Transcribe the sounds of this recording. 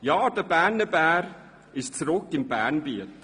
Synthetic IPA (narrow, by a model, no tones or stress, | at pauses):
jaːd̥əbænəbæːɾ | ɪʃt͡sɾʊkɪmbɛːnbiət